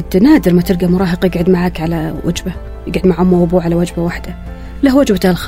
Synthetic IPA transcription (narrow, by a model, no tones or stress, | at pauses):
d̪naːd̪ɪɾmat̪ɪɾɡamʊɾˤɑːɦɪqjɪɡʕʊd̪maʕaːkʕalawa̰d͡ʒba | jɪɡʕʊd̪maʕʊmːawʊbuːʕalawad͡ʒbawaħd̪a | lahwad͡ʒbat̪alx